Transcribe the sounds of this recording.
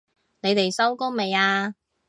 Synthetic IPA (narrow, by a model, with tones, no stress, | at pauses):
ne˨˧jt̪e˨jsɐ˥wkoː˥me˨˧jaː˧